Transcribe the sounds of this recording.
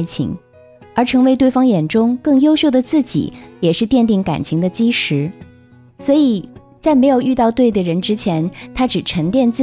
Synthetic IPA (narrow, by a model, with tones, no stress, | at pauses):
t͡ɕʰḭ˧˥ŋ | ə˞˧˥ʈ͡ʂʰɤ˧˥ŋwe˧˥ɪt̪wɪfɑ˥ŋjɛ˨˩nʈ͡ʂʊ˥ŋkɤ˥˩ŋjo˥ʊɕjo˥˩ʊd̪ə˩t͡sɹ̩˥˩t͡ɕḭ˨˩˦jɛ˨˩ʂɻ̩˥˧t̪jɛ˥˧nt̪̬i˥˩ŋka̰˨˩nt͡ɕʰi˧˥ŋd̪ə˧t͡ɕi˥ʂɻ̩˧˥ | swɔ˧˥i˨˩˦ | t͡sa˥˩ɪme˧˥ɪjo˨˩ʊʔy˥˧t̪ɑ˥˧ʊt̪we˥˩ɪd̪ə˩ɻə˧˥nʈ͡ʂɻ̩˥t͡ɕʰjɛ˧˥nt̪ʰa˥ʈ͡ʂɻ̩˨˩ʈ͡ʂʰə˧˥ŋt̪jɛ˥˧nt͡sɹ̩˥˩